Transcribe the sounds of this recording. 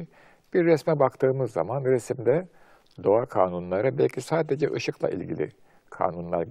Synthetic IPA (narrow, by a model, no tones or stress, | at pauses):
b̥iɾːɛsmɛbakt̪ʰɯːmɯzːa̰manɾesimd̪ɛ | d̪o̞akʰaːnunlˠaɾabɛlʲcʰisaːd̪e̞d͡ʒɛʔɯʃɯklˠa̰ʔḭlʲɟḭlʲḭ | kʰa̰ːnunlˠa̰ɾ